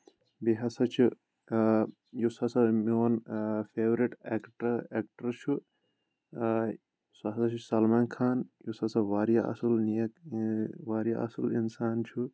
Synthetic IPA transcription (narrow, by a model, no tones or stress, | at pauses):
biɦɐsɐt͡ʃʰu | jusɐsɐmoːnfʰeːʋɾiʈekʈɐekʈɐɾt͡ʃʰu | sɐɦsɐt͡ʃʰusɐlmaːnkʰaːnjusɐsɐʋaːɾijaʔɐ̰sɐlnijɐk | ʋaːɾjaʔɐ̰sɐlinsaːnt͡ʃʰu